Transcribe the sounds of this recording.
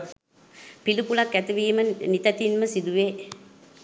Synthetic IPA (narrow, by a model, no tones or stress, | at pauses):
pilupulakːæt̪iʋiːmənit̪æt̪inməsid̪uʋe